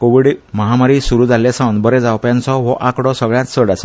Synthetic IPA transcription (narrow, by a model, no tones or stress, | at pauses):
koʋiɽməɦamaɾisuɾuːd͡zaljasãnbəɾɛ̃d͡zawpjãnt͡sɔʋɔʔakɽɔsəɡɭjat͡ssəɽat͡sa